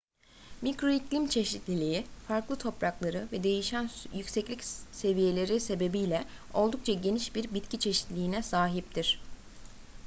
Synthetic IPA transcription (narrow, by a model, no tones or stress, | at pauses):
micɾo̞iclʲimt͡ʃʰe̞ʃit̪lʲilʲiifaɾklˠɯt̪ʰo̞pɾaklˠaɾɯvɛd̪e̞jiʃænjycsɛclʲicse̞vije̞lʲe̞ɾise̞be̞bijlʲɛ | o̞lˠd̪uk̚t͡ʃʰaɟe̞niʃbiɾbit̪cʰit͡ʃʰe̞ʃi̥t̪lʲiːnɛsaːɦip̚t̪ʰiɾ̥